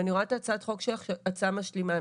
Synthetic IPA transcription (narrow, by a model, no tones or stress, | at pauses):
aniʁoat̪at͡sat̪χo̞kʃeat͡samaʃlima